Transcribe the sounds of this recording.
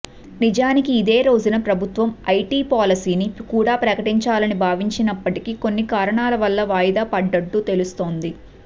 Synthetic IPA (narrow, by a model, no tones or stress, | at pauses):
nid͡ʒaːnikiːd̪e̞ːɾo̞ːd͡ʒunɐpɾɐbʱut̪ʋɐmɐjʈiːpaːlɐsiːnikuːɽaːpɾɐkɐʈiɲt͡ʃaːlɐnibʱaːʋiɲt͡ʃinɐpːɐʈikiko̞nːikaːɾɐɳaːlɐʋɐlːɐʋaːjd̪aːpɐɖːɐʈːut̪e̞lust̪o̞ːnd̪i